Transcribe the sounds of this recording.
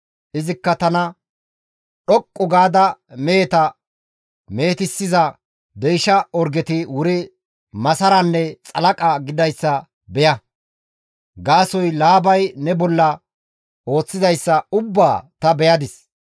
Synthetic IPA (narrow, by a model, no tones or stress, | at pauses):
ʔɪzɪkːɐt̪ɐnɐ | ɗɔkʼːʊɡaːd̪ɐmeːt̪ɐ | me̞ːt̪ɪsːɪzɐ | d̪ɛjʃɐɔɾɡɛt̪ɪwʊɾɪ | mɐsɐɾɐnːɛt͡sʼɐlɐkʼɐɡɪd̪ɐjsːɐ | bɛjɐ | ɡaːsɔjlaːbɐjnɛbɔlːɐ | o̞ːt͡sːɪzɐjsːɐʊbːaːt̪ɐbɛjɐd̪ɪs